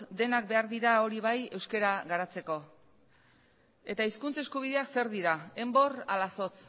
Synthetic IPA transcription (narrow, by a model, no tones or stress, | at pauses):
d̪e̞nak̚be̞aɾðiɾao̞ɾiβ̞aje̞wske̞ɾaɣaɾat͡se̞ko̞ | e̞t̪aiskunt͡se̞skuβ̞iðe̞akse̞ɾðiɾae̞mbo̞ralaso̞t͡s